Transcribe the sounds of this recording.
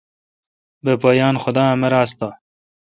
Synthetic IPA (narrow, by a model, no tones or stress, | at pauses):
bepoːjɑːnxʊd̪ɑːmɐɾaːst̪aː